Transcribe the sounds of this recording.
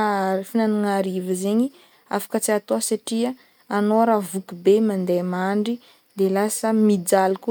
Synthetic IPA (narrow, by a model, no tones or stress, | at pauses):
finanaŋaɾivəzeɲi | a̰fḁkət͡siat̪oasaʈ͡ʂiə | anoɾavukubemand̪emaɳɖ͡ʐi | d̪elasəmid͡zaluku